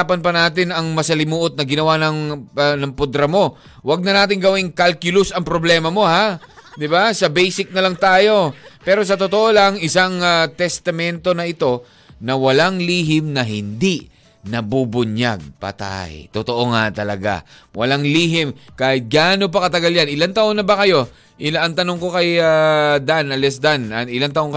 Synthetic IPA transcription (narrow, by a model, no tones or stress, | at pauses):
pɐnpɐnaːt̪ɪnɐŋmɐsɐlɪmuːʔot̪̚nɐɡɪnɐwanɐŋnɐŋpʊd̪ɾɐmo̞ | wɐɡ̚nɐnaːt̪ɪŋɡɐwɪŋkalkjʊlʊsɐŋpɾoblɛːmɐmo̞had̪ɪbasɐbɛjsɪk̚nɐlɐŋt̪aːjo̞pɛːɾo̞s̬ɐt̪ot̪oʔolaŋɪsaŋɐt̪ɛst̪ɐmɛnt̪o̞nɐʔɪt̪o̞ | nɐwɐlaŋliːɦɪmnɐɦɪnd̪i | nɐbubʊɲja̰ɡ̚pɐ̰t̪a̰jt̪ot̪oʔoŋat̪ɐlɐɡa̰wɐ̰laŋliːɦɪmkaːhɪt̪̚ɡaːno̞p̬ɐkɐt̪ɐɡaljanɪlant̪ɐʔonɐbɐkɐjo̞ | ʔɪlaɐŋt̪ɐno̞ŋko̞kɐjad̪anɐlɛsd̪anɐŋɪlant̪ɐʔoŋkɐ